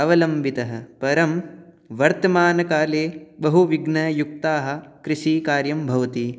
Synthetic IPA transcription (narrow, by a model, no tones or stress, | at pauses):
ɐʋɐlɐmbʱit̪ɐɦɐ̆pɐɾɐm | ʋɐɾt̪ɐmaːnɐkaːleːbɐɦuʋiɡnɐjuk̚t̪aːɦɐ̆kɾɪʃiːkaːɾjɐmbʱɐʋɐt̪i